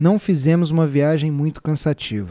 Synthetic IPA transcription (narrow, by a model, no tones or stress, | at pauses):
nɐ̃w̃fizẽmʊzũmɐviaʒẽj̃mũj̃t̪ʊ̥kɐ̃sat͡ʃivɐ